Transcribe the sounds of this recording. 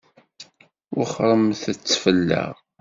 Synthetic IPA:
wʊχɾˤəmθət͡sːfəlːə̰ʁ

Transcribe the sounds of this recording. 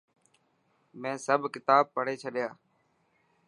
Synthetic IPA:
mɛ̃ːsəbʱkɪt̪aːb̚pəɽ̤eːt͡ʃʰəɗjaː

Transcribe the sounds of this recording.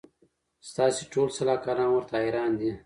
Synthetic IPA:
st̪ɑːsiʈoːlsɐlaːkaɾɑ̃ːnwəɾt̪aːiɾɑːnd̪i

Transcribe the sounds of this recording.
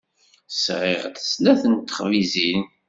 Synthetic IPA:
sʁɪʁd̪ə̥snæθənt̪ːə̥χvizin

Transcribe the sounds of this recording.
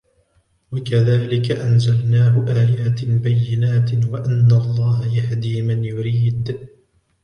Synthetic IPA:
wakaðaːlɪkaʔanzalnaːhʊʔaːjaːt̪ɪlbajːɪnaːt̪waʔanːalˤːɑːhajahd̪iːmanjʊɾiːd̪

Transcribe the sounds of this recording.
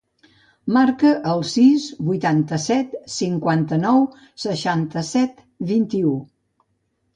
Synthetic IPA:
maɾkəʔːlˠsizβujt̪ant̪əsɛt̪siŋkwant̪ənɔw | səʃant̪əsɛt̪ | βint̪iu

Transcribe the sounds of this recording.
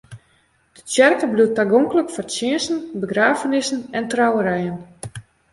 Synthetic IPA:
d̥ətjɛrkəbluətaɡoŋkləkfɔrsɪənsn̩bəɡraːfənɪsn̩ɛntrawəɾɛjən

